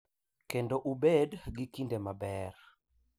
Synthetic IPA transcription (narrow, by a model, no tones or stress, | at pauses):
kendoʔubedɡɪkindemabɛr